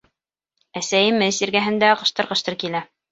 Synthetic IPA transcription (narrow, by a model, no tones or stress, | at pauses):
æsæjɘ̆mɘsiɾɡæɦɘ̆nd̪æqɤ̆ʃt̪ɤ̆ɾqɤ̆ʃt̪ɤɾkilæ